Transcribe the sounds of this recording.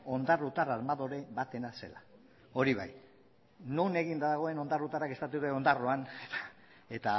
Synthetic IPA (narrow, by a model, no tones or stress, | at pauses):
o̞nd̪arut̪aɾaɾmaðo̞ɾe̞βat̪e̞nase̞̰la | o̞ɾiβa̰j | nune̞ɣind̪aðaɣ̞o̞e̞no̞nd̪arut̪aɾake̞st̪at̪̬uut̪eo̞nd̪aroanet̪a | e̞t̪a